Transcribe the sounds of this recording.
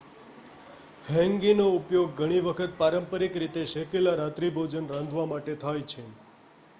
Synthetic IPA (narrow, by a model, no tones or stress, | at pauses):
hɛ̃ŋɡinoupjoɡːʱəɽ̃iʋəkʰət̪̚paɾəmpəɾikɾit̪eʃekelaɾat̪ɾibʱod͡ʒənɾãnd̪ʱʋamaʈet̪ʰajt͡ʃʰe